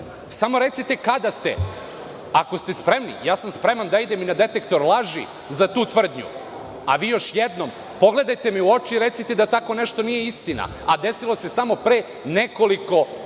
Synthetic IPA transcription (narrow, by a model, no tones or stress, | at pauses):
samo̞ɾe̞t̪sit̪ekad̪ast̪ḛ | ako̞st̪e̞spɾe̞mnḭjaːsamspɾe̞mand̪aid̪eminad̪e̞t̪ekt̪o̞ɾlˠaʒi | zat̪uːt̪ʋr̩d̪ɲṵ | a̰ʋiːjo̞ʃjed̪nom | po̞ɡle̞d̪ajt̪e̞miuo̞t͡ʃiɾe̞t̪sit̪ed̪at̪ako̞neʃt̪o̞nije̞ist̪ina̰ | ad̪e̞silˠo̞se̞samo̞pɾeː | ne̞ko̞liko̞